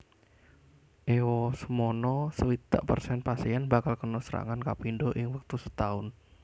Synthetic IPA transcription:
ʔewɔsəmonɔsəwit̪a̰ʔpərsɛnpasiɛnbakalkənɔsəɾa̰ŋankapindoʔɪŋwək̚t̪usə̥t̪aʊn

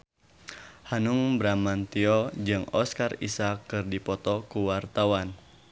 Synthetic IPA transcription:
hanuŋbɾamant̪iɔd͡ʒɨŋɔskarḭsakːɨrdipɔt̪ɔkuwart̪awan

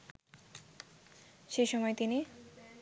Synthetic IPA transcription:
ʃejʃɔmɔet̪ini

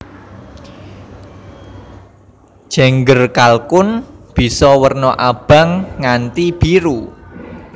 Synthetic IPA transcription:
ʒ̥a̤ŋɡərkalkʊnb̥i̤sɔwərnɔʔab̥a̤ŋːant̪ib̥iɾu

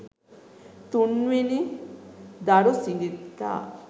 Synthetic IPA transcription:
t̪unʋeni | d̪aɽosiŋɡit̪a̰

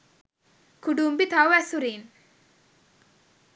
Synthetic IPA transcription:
kuɖumbit̪awɛsuɾin

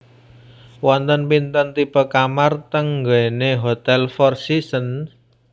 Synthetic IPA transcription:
wɔnt̪ənpint̪ənt̪ipəkamart̪əŋɡəeneɦot̪ɛlfɔrsisən

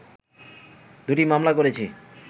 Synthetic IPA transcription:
d̪uʈimamlakoɾet͡ɕʰi

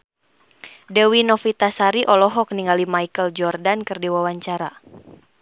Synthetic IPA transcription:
dɛwinɔfit̪asaɾiʔɔlɔɦɔk̚niŋalimaikəld͡ʒɔrdankɨrdiwawaɲt͡ʃaɾa

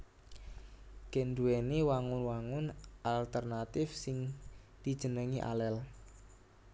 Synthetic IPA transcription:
ɡ̥endueniwaŋʊnwaŋʊnʔalt̪ərnat̪ɪfsɪŋd̪̥i̤d̥ʒ̥ə̤nəŋiʔa̰lɛl

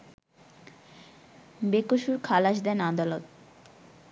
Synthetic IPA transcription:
bekoʃuɾkʰalaʃd̪ɛnad̪alot̪̚

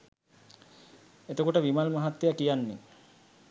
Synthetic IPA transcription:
et̪okuʈəʋimalmaɦat̪ːejakijanːḛ

